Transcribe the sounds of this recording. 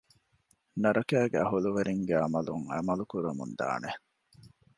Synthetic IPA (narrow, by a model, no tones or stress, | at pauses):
nɐɾɐkæːɡæ̰ɐɦuluʋeɾiŋɡeɐmɐluŋɐ̰mɐlukuɾɐmṵnd̪a̰ːne